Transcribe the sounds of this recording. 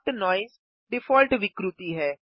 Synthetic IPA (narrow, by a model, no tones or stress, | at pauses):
t̪nɔːɪz | ɖɪfɔːlʈʋɪkɾut̪iːɦɛː